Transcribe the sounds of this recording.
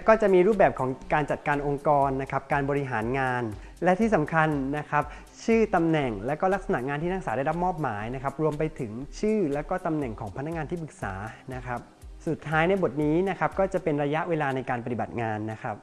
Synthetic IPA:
kɔː˥˩t͡ɕa˨˩ʔmiː˧ɾu˥˩p̚bɛː˨˩p̚kʰɔː˩˦ŋkaː˧nt͡ɕa˨˩t̪̚kaː˧nʔo˧ŋkɔː˧nːa˦˥kʰa˦˥p̚kaː˧nbɔː˧ɾi˧ɦaː˩˦nŋaː˧n | lɛ˦˥t̪ʰiː˥˩sa˩˦mkʰa˧nːa˦˥kʰa˦˥p̚ | t͡ɕʰɯː˥˩t̪a˧mnɛ˨˩ŋlɛː˦˥wkɔː˥˩la˦˥k̚sa˧na˨˩ʔŋaː˧nt̪ʰiː˥˩naː˥˩saː˩˦daː˥˩jɾa˦˥p̚mɔː˥˩p̚maː˩˦jna˦˥kʰa˦˥p̚ɾu˧əmpa˧jt̪ʰɯ˩˦ŋt͡ɕʰɯː˥˩lɛː˦˥wkɔː˥˩t̪a˧mnɛ˨˩ŋkʰɔː˩˦pʰa˧nːa˥kŋaː˧nt̪ʰiː˥˩pɯ˨˩k̚sa̰ː˩˦na˦˥kʰa˦˥p̚ | su˨˩t̪ʰːaː˦˥jna˧jbo˨˩t̪̚niː˦˥na˦˥kʰa˦˥p̚kɔː˥˩t͡ɕa˨˩pe˧nɾa˧ja˦˥ʔweː˧laː˧na˧jkaː˧npa˧t̪i˨˩ba˨˩t̪̚ŋaː˧nːa˦˥kʰa˦˥p̚

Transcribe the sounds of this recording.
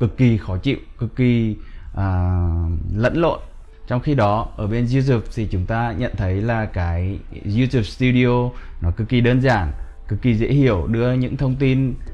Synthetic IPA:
kɨ˨˩kːi˨˩xɔ˨˦t͡ɕḭ˧˨wkɨ˨˩kːi˨˩ʔaː˨˩ | lə̰˧˥nlo̰˧˨n | t͡ɕɔ˧wŋ͡mxi˧ɗɔ˨˦ʔəː˧˩ɓe˧nzi˧t̪̬u˨˩p̚t̪ʰi˨˩t͡ɕʊ˨˦ŋ͡mt̪aː˧ɲə̰˧˨nt̪ʰə˨˦jlaː˨˩kaː˨˦jzu˧t̪u˨˧˩p̚st̪u˧ɗi˧o˧nɔ˨˦kɨ˨˩kːi˨˩ɗəː˧nzaː˧˩n | kɨ˨˩k̚ːi˨˩zḛ˧˥hi˧˩əwɗɨ˧əɲɨ̰˧˥ŋt̪ʰə˧wŋ͡mt̪i˧n

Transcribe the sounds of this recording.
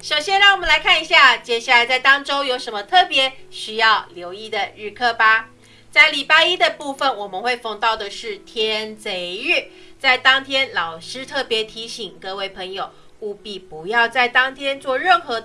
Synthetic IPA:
ʂo˨˩ʊɕjɛ˥nɻɑ˥˩wɔ˨˩mə˦la˧˦ɪkʰa˥˩ni˧˥ɕja˥˩t͡ɕjɛ˥˩ɕja˥˩la˨˧˥ɪt͡sa˥˩ɪt̪ɑ˥ŋʈ͡ʂo˥ʊjo˧˥ʊʂə˧˥nmə˧t̪ʰɤ˥˩pjɛ˨˧˥ɕy˧˥jɑ˥˩ʊljo˧˥ʊi˥˧˩d̪ə˨ɻɻ̩˥˧kʰɤ˥˩pa˥ | t͡sa˥˩ɪli˨˩pa˥i˥d̪ə˨pu˥˩fə˨nwɔ˨˩mə˨˦nxwe˥˧ɪfɑ˥˧ŋt̪ɑ˥˩ʊd̪ə˩ʂɻ̩˥˩t̪ʰjɛ˥ə˧˥nt͡se˧˥ɪɻ̩˥˩ | t͡sa˥˩ɪt̪ɑ˥ŋt̪ʰjɛ˥nlɑ˨˩ʊʂɻ̩˥t̪ʰɤ˥˩pjɛ˧˥t̪ʰi˧˥ɕi˨˩ŋkɤ˥˧we˥˩ɪpʰə˧˥ŋjo˨˩ʊ | u˥˩pi˥˩pu˧˥jɑ˥˧ʊt͡sa˥˩ɪt̪ɑ˥ŋt̪ʰjɛ˥nt͡swɔ˥˧ɻə˥˩nxɤ˧˦d̪

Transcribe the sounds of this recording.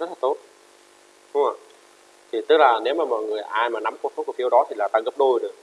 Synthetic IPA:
t̪̚ʰt̪o˨˦˥t̚ | ɗʊ˨˦ŋ͡mə̰˧˩j | t̪ʰi˨˩t̪ɨ˦˥k̚laː˨˩ne˨˦wmaː˨˩mɔ̰˧˨jŋɨ˨˩əjʔaː˧jmaː˨˩na˨˦mkwsɔ˨˦ku˧˩fi˨˦əwɗɔ˨˦t̪ʰi˨˩laː˨˩t̪aː˧ɣə˦˥p̚ɗo˧jɗɨ˨˩ək̚

